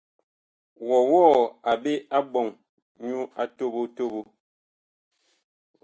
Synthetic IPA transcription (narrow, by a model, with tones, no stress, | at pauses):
wɔ˨wɔː˦˨a˨be˦a˦bɔ˨ŋ | ɲu˦a˦to˦˨bo˦to˦˨bo˦˨